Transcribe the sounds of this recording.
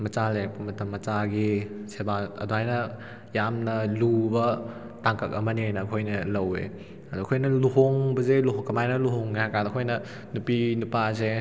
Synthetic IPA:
mɐt͡ʃalek̚pɐmɐtɐmːɐt͡ʃaɡisebaɐ̰duɦajnɐ | jamnɐlubɐ | taŋkɐk̚ɐmɐniajnɐːkʰojnɐlɐwḛ | ɐduɐkʰojnɐluɦoŋbɐzeluɦoŋkɐmajnɐluɦoŋiɦakanɐkʰojnɐ | nupinupas̬e

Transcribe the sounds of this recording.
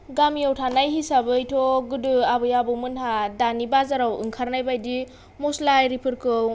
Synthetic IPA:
ɡamiawtʰanajhisabɯjtʰɔɡɯdɯabɯjabɯmɯnɦadanibazaɾawɯ̰ŋkʰaɾnajbajdi | moslajɾipʰɯɾkɯw

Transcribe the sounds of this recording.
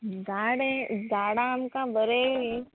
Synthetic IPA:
ɡaɽedaːɽamkabəɾee

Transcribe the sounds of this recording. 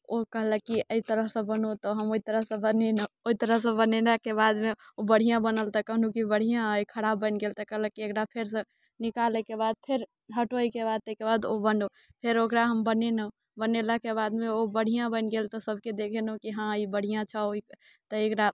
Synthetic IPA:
okəɦləkiəit̪əɾəɦsə̃bənot̪ɔɦəmoit̪əɾəɦsə̃bənenəoit̪əɾəɦsə̃bənelakebad̪meobəɽ̤ijãbənəlt̪ɔkəɦnukibəɽ̤ijãɦəjkʰəɽabəɪnɡelt̪ɔkəɦləkiekɾapʰeɾsə̃ | nikalɛkebad̪̚pʰeɾ | ɦəʈoikebad̪̚t̪ekebad̪obənɖo | pʰeɾokɾaɦəmbənenəo | bənelakebad̪meobəɽ̤ijãbəɪnɡelt̪ɔsəb̚ʱked̪ekʰenokiɦãibəɽ̤ijãt͡ʃʰəoi | t̪ɔekɾa

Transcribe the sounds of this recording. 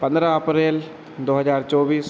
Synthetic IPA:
pɐnd̪ɾɐɐpɾeːl | d̪oːɦɐzaːɾt͡ɕoːʋiːs

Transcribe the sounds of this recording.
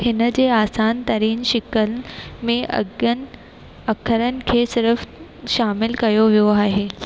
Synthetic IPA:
hɪnəd͡ʑeːaːsaːnt̪ɐɾiːnʃɪkəlmẽn | ɐkʰːəɾənɪ̆kʰeːsɪɾf | ʃaːmɪlkɐjoʋijoaːɦeː

